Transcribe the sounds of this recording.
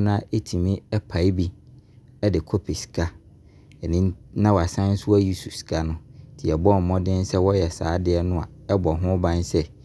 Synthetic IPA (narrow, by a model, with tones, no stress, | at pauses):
nʊ̃˦a˦ʔe˦tʰi˨mĩ˦ɛ˦pʰa˨˦i˦bi˦ | ɛ˦dɪ˨kʰo˦pʰe˨si̥˨kʰa˦ | ɛ˨nɪ̃˦nnã˦wa˨sã˦n̩˦sʊ˦a˦ji˦su˨si̥˨kʰa˦nʊ̃˦d̥ʰi˨ɛ˨bɔ˦˨m̩˨mɔ̃˦dɪ̃˦n˦sɛ˦wɔ˦jɛ˨sa̰ː˨˦dɪ˦ɛ˦nʊ̃˦a̰˨ɛ˦bɔ˨ɦʊ̃˦bã˦n˦sɛ˦